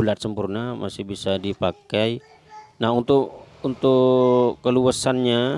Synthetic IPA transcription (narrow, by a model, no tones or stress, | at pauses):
ulat̪̚səmpurnamasɪhbisadipakaj | naɦunt̪ʊʔunt̪ʊ | əluasanɲa